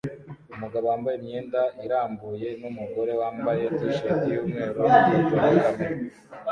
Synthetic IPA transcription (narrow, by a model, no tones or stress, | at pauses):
umuɡaβowaːmbajemɲeːndaʔiɾaːmbuje̞numuɡo̞ɾe̞waːmbaje̞teʃatijuːmŋe̞ːɾoaiɾame